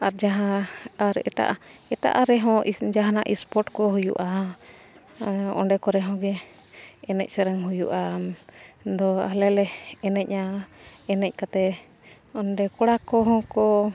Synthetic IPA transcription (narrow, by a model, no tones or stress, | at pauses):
aɾd͡ʒaɦãaɾɛ̰ʈa̰ʔɛʈa̰ʔaɾɛɦɔ̃d͡ʒaɦanaʔispɔʈkɔɦujṵʔa | ɔ̰ɳɖɛkɔɾɛɦɔ̃ɡɛ | ɛnɛc̚ˀsɛɾəŋɦujṵʔa | d̪ɔa̰lɛlɛɛnɛc̚aɛnɛc̚ˀkat̪ɛ | ɔnɖɛkɔɽakɔɦɔ̃kɔ